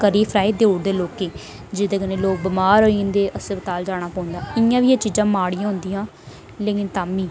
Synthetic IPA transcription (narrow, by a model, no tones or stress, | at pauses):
kəɾiːpʰɾaːɪd̪eːoːɽd̪eːloːkeː | d͡ʒɪd̪eːkəneːloːk̚bəmaːɾoːind̪eːʔəsẽːbət̪aːld͡ʒaːɽ̃aːpɔ̃ːʊ̃nd̪aːɪãːʋiːeːt͡ʃiːd͡ʒãːmaːɽĩãːɦʊ̃nd̪iːãː | leːkɪnt̪aːmiː